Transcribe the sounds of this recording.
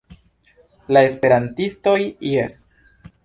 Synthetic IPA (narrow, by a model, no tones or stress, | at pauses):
lae̞spe̞ɾantisto̞jiḛs